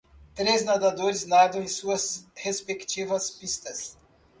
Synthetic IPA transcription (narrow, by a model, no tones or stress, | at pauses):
t̪ɾeznad̪ad̪oɾɪznad̪ɐ̃ẽj̃suɐshespekt͡ʃivɐspist̪ɐs